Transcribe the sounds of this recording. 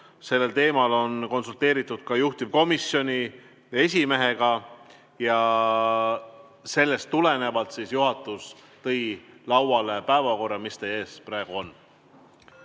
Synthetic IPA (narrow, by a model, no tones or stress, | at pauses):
se̞lːe̞lt̪e̞ːmɑlo̞nko̞nsult̪e̞ːɾit̪ːˑud̪̥̚kɑjuht̪ib̥ko̞misjo̞nʲi | e̞sʲime̞ɦe̞ɡ̥ɑ | jɑ | se̞lːe̞st̪ːule̞ne̞vɑlt̪sisjuɦɑt̪ːˑus | t̪ɤ̞jlɑwɑlepæevɑko̞rːɑmist̪ee̞ːsprɑeɡ̥uo̞nː